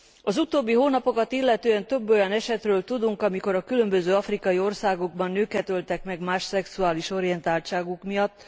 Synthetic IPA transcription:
ɒzut̪oːbːiɦoːnɒpo̞kɒt̪ilːɛt̪øːɛnt̪ø̞bːo̞jɒnɛʃɛt̪røːlt̪ud̪uŋkɒmiko̞ɾɒkylømbøzøːɒfrikɒjio̞rsaːɡoɡ̚bɒnːøːkɛt̪ølt̪ɛkmɛɡmaːʃsɛksuaːliʃo̞ɾijɛnt̪aːlt͡ʃaːɡukmijɒt̪ː

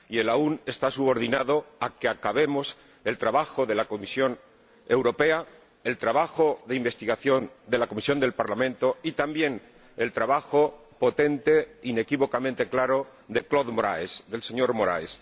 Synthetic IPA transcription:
ie̞laune̞st̪asuβ̞o̞ɾðinaðo̞akeakaβe̞mo̞s | e̞lt̪ɾaβaxo̞ðe̞lako̞misjo̞n | e̞wɾo̞pe̞a | e̞lt̪ɾaβaxo̞ðeimbe̞st̪iɣaθjo̞nd̪e̞lakomisjo̞nd̪e̞lpaɾlamẽnt̪o̞it̪ambje̞n | e̞lt̪ɾaβaxo̞ | po̞t̪e̞nt̪e̞ine̞kiβo̞kamẽnt̪e̞klaɾo̞ðe̞klo̞ðmo̞ɾa̰esðe̞lse̞ɲo̞ɾmo̞ɾa̰es

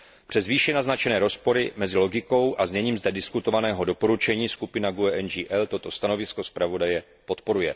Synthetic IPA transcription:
pr̥ɛzviːʃɛnaznat͡ʃɛnɛːɾo̞spo̞ɾɪmɛzɪlo̞ɡɪko̞wʔazɲɛɲiːmzdɛdɪskut̪o̞vanɛːɦo̞do̞po̞ɾut͡ʃɛɲiːskupɪnaɡuɛʔɛnd͡ʒiːʔɛlt̪o̞t̪o̞st̪ano̞vɪsko̞spɾavo̞dajɛ | po̞t̪po̞ɾujɛ

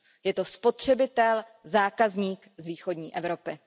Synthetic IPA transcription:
jɛt̪o̞spo̞t̪r̝̥ɛbɪt̪ɛl | zaːkazɲiːkzviːxo̞dɲiːʔɛvɾo̞pɪ

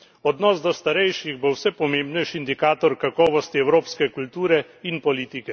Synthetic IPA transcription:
ɔd̪nɔːsd̪ɔst̪aɾɛjʃiɣbowsɛpɔmeːmbnɛjʃind̪ikaːt̪ɔɾkakɔːʋɔst̪iɛwɾoːpskɛkult̪uːɾɛ | inpɔliːt̪ikɛ

